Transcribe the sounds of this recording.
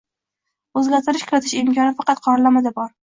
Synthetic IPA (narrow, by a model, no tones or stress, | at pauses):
ɵzɡʲaɾt̪ʰɪɾɪʃkʰʊɾɪt̪ʰɪʃɪmkʲʰɒnɪfɑqɑt̪̚qʰɒɾlamad̪abɒɾ